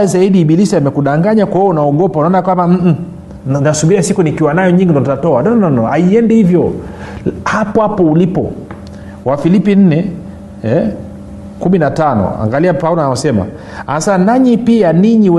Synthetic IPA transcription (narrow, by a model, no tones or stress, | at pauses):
zaiɗiːɓilisiamɛkuɗaŋɡaɲakwahiɔunaɔɠɔpaunaɔnakwambam̩ | nasuɓiɾiasikunikiwanajɔɲiŋɡindɔtatɔanɔnnɔnɔaiɛndihivjɔ | hapɔapɔulipɔ̰ | wafilipin̩nɛ | ɛ | kuminatanɔ̰a̰ŋɡaliapaulanawasɛma̰ | anasanaɲipianiɲiwɛ